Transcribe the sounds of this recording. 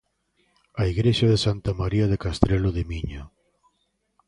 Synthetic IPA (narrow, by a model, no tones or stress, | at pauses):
aiɣɾeʃaðesant̪amaɾiaðekast̪ɾeloðemiɲa